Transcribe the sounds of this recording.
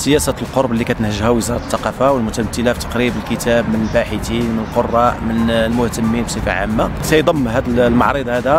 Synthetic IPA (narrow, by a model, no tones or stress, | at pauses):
səjæsælqoɾˤblːikæt̪ənhəʒhæwəzɑɾˤɑt̪ːɑqɑfawəlmʊt̪æmt̪ːəlæft̪ɑ̥qɾibəlkət̪æbmənəlbaħət̪inmənəlqorˤːɑʔmənlmʊht̪əmːinbsˤəfa̰ʕa̰mːasæjd̪ˤɑmːɦæd̪əllmɑ̰ʕɾid̪ˤhæd̪æ